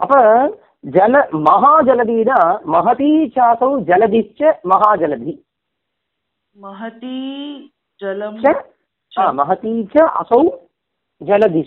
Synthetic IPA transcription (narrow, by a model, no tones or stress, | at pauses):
ɐpɐ | d͡ʒɐlɐmɐɦaːd͡ʒɐlɐd̪iːnɐmɐɦɐt̪iːt͡ʃʰɐːsɐwd͡ʒɐlɐd̪it͡ʃɐmɐɦaːd͡ʒɐlɐd̪ʱi | mɐɦɐt̪i | d͡ʒɐlt͡ʃɐ | ɦaːmɐɦɐt̪iːt͡ʃʰɐʔɐ̰sɐw | d͡ʒɐlɐd̪i